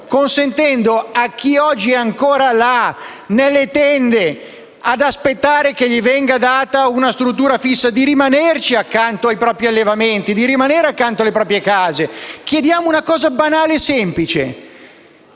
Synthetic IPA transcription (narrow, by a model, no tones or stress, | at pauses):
konsent̪ɛnd̪oak̟ːiɔd͡ʒːiɛaŋkoːɾala | nelːet̪ɛnd̪e | ad̪aspet̪ːaːɾek̟eʎːivɛŋɡad̪aːt̪aunast̪ɾut̪̬ːuːɾafisːad̪iɾimanert͡ʃiakːant̪oajpɾɔːpɾialːevament̪id̪iɾimaneːɾeakːant̪oalepɾɔːpɾjekaːzek̟jed̪jaːmounakɔːzabanaːlesɛmplit͡ʃḛ